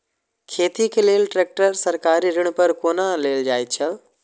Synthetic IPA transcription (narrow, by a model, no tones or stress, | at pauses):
kʰeːt̪ikʰeleːlʈɾeːk̚ʈəɾsɐɾkaːɾiɾɪɽ̃pɐɾkoːnaleːld͡ʑaːit͡ɕʰɐ